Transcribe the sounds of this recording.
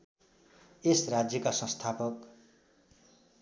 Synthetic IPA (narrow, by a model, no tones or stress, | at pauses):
esrad͡zjʌkasʌ̃st̪ʰapʌk